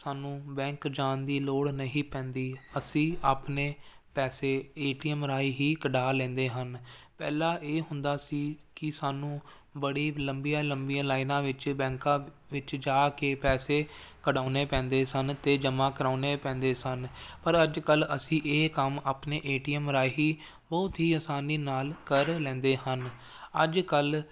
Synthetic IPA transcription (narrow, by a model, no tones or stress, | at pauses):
saːnũːbɛ̃ːŋkd͡ʒaːnd̪iːloːɽnəɦĩːpɛ̃ːnd̪iːəsĩːʔaːpneː | pɛːseːeːʈiːəmɾaːiɦiːkəɖaːlɛ̃ːnd̪eːɦənpɛ̰ːlãːʔeːɦʊnd̪aːsiːkɪsaːnũː | bəɽiːləmbijaːləmbijãːlaːɪnãːʋɪt͡ʃbɛ̃ːŋkãː | ʋɪt͡ʃd͡ʒaːkeːpɛːseː | kəɖaːneːpɛ̃ːnd̪eːsənt̪eːd͡ʒəmãːkəɾaːneːpɛ̃ːnd̪eːsənpəɾəd͡ʒkələsĩːʔeːkəmaːpneːʔeːʈiːəmɾaːiɦiː | bɔːt̪ɦiːəsaːniːnaːlkəɾlɛ̃ːnd̪eːɦən | əd͡ʒkəl